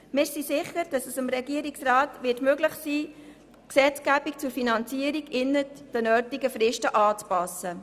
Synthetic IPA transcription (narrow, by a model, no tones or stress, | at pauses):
mɪɪsisɪχəɾd̥ɑsəsəmɾɛɡiəɾiksraːtʋɪtmøɡlɪχsiː | ksɛt͡skæbik̚t͡sʊɾfinɑnt͡siəɾiɡɪnːəd̥ənœːtiɡəfɾɪʃtəʔɑːt͡spɑsə